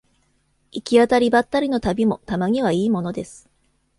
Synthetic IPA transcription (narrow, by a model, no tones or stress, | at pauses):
ikʲiat̪aɾʲibat̪ːaɾʲino̞t̪abʲimo̞t̪amaɲ̟iβaiːmo̞no̞d̪e̞sɨ̥